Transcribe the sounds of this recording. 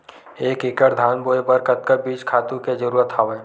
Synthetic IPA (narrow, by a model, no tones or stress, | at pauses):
eːkɪkəɾd̪ʱaːnboːepəɾkət̪̚kəbiːt͡ʃkʰaːt̪ũked͡ʒəɾuːɾət̪ɦaːʋeː